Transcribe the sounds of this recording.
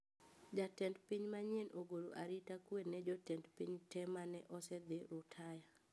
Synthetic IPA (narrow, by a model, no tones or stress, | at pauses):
d͡ʒatɛndpiɲmaɲenoɡoɾoʔaɾitakwenːɛd͡ʒɔtɛndpiɲtɛmanɛʔɔsɛd̪ɪɾʊtʰaja